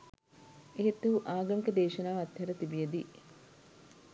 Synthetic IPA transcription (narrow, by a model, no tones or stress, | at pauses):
ʔeɦit̪ːɐɦuʔaːɡɐŋkɐd̪eːʃɐnaːɐt̪ːhɐɾɐt̪ibijɐd̪iː